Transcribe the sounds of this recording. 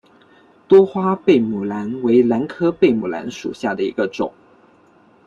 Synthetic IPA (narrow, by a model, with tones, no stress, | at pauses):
t̪wɔ˥xwa˥pe˥˩ɪmu˨˩la˧˥nwe˧˥ɪla˧˥nkʰɤ˥pe˥˩ɪmu˨˩la̰˧˥nʂṵ˨˩ɕja˥˩d̪ə˩ḭ˧˥ɡə˧ʈ͡ʂʊ˨˩˦ŋ